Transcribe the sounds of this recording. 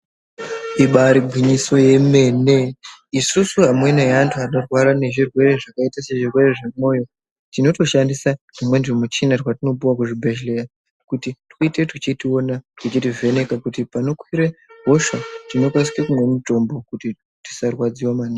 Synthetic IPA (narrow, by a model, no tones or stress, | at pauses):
iɓaɾiɡʱwiɲiso̞je̞me̞neisusuɦamwe̞neantʰuanorwaɾane̞ʐirwe̞re̞ʐakaitase̞ʐirwe̞re̞ʐemo̞ːjo̞ | tino̞to̞ʃandisanimwe̞nʐimut͡ʃinarwatino̞p̬uwakuʐibʱe̞ʒle̞ja | kutitoite̞tut͡ʃitio̞natwit͡ʃitive̞ne̞kakutipano̞kwiɾeɦo̞ʃatino̞kwas̬i̥kekumwe̞mito̞mbo̞kuti | ti̥sarwad͡ziwamania